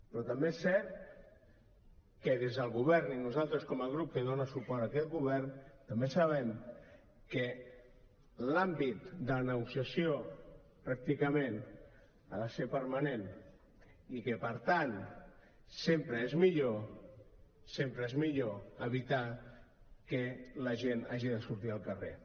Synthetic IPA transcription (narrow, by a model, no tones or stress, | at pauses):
pɾɔt̪ambesɛɾt̪ | keðezðəlˠɣuβɛɾninuzalˠt̪ɾəskɔmaɣ̞ɾup̚keðonasupɔɾt̪akɛt̪ɡuβɛɾnt̪ambesaβɛm | ke | lambit̪d̪əlanəɣusjasjo | pɾak̚t̪ikəmẽn | aðasepəɾmanen | ikəpəɾt̪an | sempɾəezmiʎo | sempɾəezmiʎoəβit̪a | kələʒenaʒiðəsuɾt̪iəlˠkərḛ